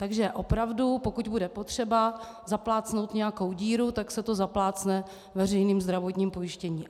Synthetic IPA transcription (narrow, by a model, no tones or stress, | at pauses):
t̪aɡʒɛʔo̞pɾavdupo̞kuɟbudɛpo̞t̪r̝̥ɛba | zaplaːt͡sno̞wt̪ɲɛjako̞wɟiːɾut̪aksɛt̪o̞zaplaːt͡snɛ | vɛr̝ɛjniːmzd̪ɾavo̞t̪ɲiːmpo̞jɪʃcɛɲiː